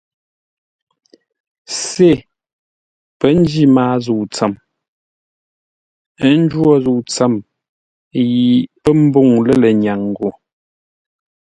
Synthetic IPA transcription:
se˦˨ | pə˦n˦d͡ʒi˦maː˦zu˨t͡sə˨m˦ | n̩˦d͡ʒwɔ˦˨zu˨t͡sə˦˨m | ji˨pə˦m̩˦bo˦˨ŋlə˦˨lə˨ɲa˨ŋ˨ɡo˨

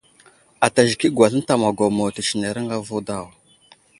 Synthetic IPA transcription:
a˨ta˨ʒi˨ki˦ɡwa˨ɬə˦n˦ta˨ma˨ɡo˨mo˨ti˨t͡ʃi˨ne˨ɾə˦ŋɡa˦vu˦da˦˨w

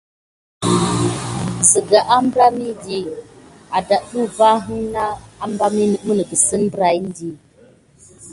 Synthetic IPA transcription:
sə˨ɡa˨ʔa˦m˦bɾa˦mi˦di˦ | a˨da˨ʔɗu˦va˦ɦɨ˦ŋna˦a˦m˦ba˦mi˦nə˨˦mə˦nə˨ɡə˨sə˦nbɾa˨i˦n˦di˦

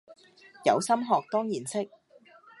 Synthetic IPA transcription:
jɐ̰˨˧wsɐ˥mɦɔː˨k̚t̪ɔː˥ŋjiː˨˩nsɪ˥k̚

